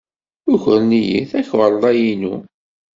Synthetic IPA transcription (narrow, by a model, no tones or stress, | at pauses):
ʊçəɾnijḭθæçwəɾˤðˤæjinu